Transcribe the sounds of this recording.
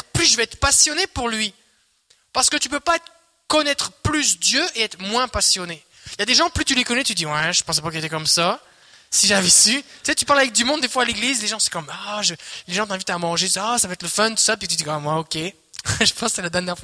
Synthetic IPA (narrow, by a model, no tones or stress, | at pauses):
ʁplysʒəvɛɛt̪χəpasjɔnepuʁlɥi | paʁsə̥kət̪ypøpaɛt̪χə | kɔnɛt̪χəplysd̪jøʔeɛt̪χəmwɛ̃pasjɔne | ljad̪eʒɑ̃plyt̪ylekɔnɛt̪yd̪iwɛ̃ʒəpɑ̃s̬ɛpakəet̪ɛkɔmsa | siʒavɛsyt̪y̥set̪ypaʁlavɛk̚d̪ymɔ̃d̪̚ːefwaːleɡlizleʒɑ̃sɛ̃kɔmaʒəleʒɑ̃t̪ɛ̃vit̪amɑ̃ʒet̪sasavøɛt̪ləfɔnt̪u̥sap̬it̪yd̪ikɔmmwaɔkʲe | ʒəpɑ̃ssɛlad̪ɛʁnjɛʁfwa